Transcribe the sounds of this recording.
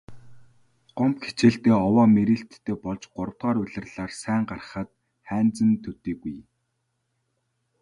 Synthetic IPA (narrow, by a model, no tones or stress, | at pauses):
ɢ̥ɔmpxe̥t͡ɕeːɬt̪eːɔwaːmeɾiːɬt̪ʰːeːpɔɮt͡ɕɢʊɾə̆w̥t̪̚ɢaːɾʊɮɪ̆rɮaːrsæːɴɢar̆χə̆t̪̚ | χæːnt͡sə̆mt̪ʰɵt̪iːɡuj